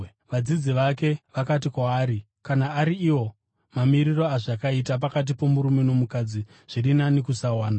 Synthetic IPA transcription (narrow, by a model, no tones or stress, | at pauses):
ʋad͡zid͡ziʋake̞ʋakat̬ikwaːɾi | kanaːɾiːwo̞ | mamiriro̞aʐakait̬ap̬akat̬ipo̞muɾume̞no̞mukad͡zi | ʐ̥irinanikusawaːna